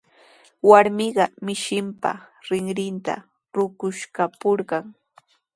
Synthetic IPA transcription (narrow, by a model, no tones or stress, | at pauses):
waɾmɪɢɑmɪʃɪmpa̰ɾɪŋɾɪnt̪a̰ | ɾʊkʊʃkapoɾɢɑŋ